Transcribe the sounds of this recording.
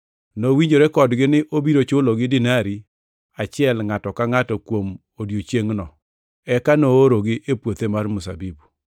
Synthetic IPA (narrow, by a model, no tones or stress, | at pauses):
nowiɲd͡ʒoɾekɔdɡɪnɪʔobiɾot͡ʃʊloɡɪdɪnaɾi | at͡ʃɪɛlŋatɔkaŋatɔkwom | odjot͡ʃjeŋnɔ | ɛkanooɾoɡɪʔepwot̪emarmʊsa̰bibu